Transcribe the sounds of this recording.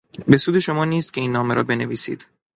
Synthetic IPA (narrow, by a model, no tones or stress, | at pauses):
be̞suːd̪e̞ʃo̞mɒːniːst̪cʰe̞iːnːɒːme̞ɾɒ̰ːbe̞ne̞viːsḭːd̪̥